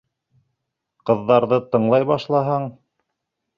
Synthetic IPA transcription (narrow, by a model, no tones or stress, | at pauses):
qɤ̆ðːɑɾðɤt̪ɤ̆ɴlˠɑjβɑʃlˠɑɦɑɴ